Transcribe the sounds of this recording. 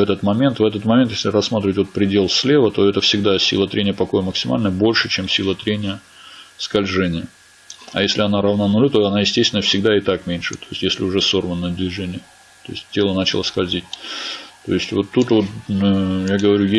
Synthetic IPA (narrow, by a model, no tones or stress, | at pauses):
vɛt̪ət̪mɐmʲe̞nt̪vɛt̪ət̪mɐmʲent̪jesʲlʲɪrɐsːmat̪ɾɪvətʲvot̪̚pɾʲɪdʲe̞lˠsʲlʲe̞vət̪o̞ɛt̪əfsʲɪɡd̪asʲḭlˠət̪ɾʲenʲɪjəpɐko̞jəməksʲɪma̰lʲnəjəbo̞lʲʂɨt͡ɕemsʲilˠət̪ɾʲenʲɪjə | skɐlʲʐɛnʲɪjə | ɐ̰jesʲlʲɪɐnaɾɐvnanʊlʲut̪oɐnajɪsʲtʲest̪vɪnːəfsʲɪɡd̪aɪt̪akmʲenʲʂɨt̪ojɪsʲtʲjesʲlʲɪʊʐɛso̞rvənːəjəd̪vʲɪʐɛnʲɪjə | t̪o̞ɪ̰sʲt̚ʲtʲːe̞lˠənat͡ɕɪlˠə̰skɐlʲzʲit̚ʲt̪o̞̰ɪsʲtʲvo̞t̪ːut̪vo̞t̪̚ | jaɡəvɐɾʲuje